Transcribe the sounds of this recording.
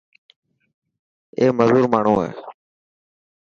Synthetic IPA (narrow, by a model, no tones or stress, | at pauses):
eːməzuːɾmaːɳ̤ũːḛː